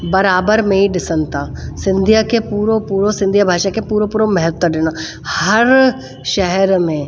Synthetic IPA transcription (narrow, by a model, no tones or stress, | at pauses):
bɐɾaːbəɾmẽiɖɪsənt̪asɪ̃nd̪ʱijakepuːɾõpuːɾõsɪ̃nd̪ʱijabʱaːʃakepuːɾõpuːɾõmɐɦət̪wəɖɪno | hɐɾ | ʃɛɦɛɾmẽ